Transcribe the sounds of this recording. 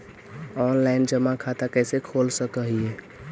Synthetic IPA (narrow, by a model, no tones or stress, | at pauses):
ɔːnlaɪnd͡ʒəmakʰat̪akɛːsekʰolsəkəɦie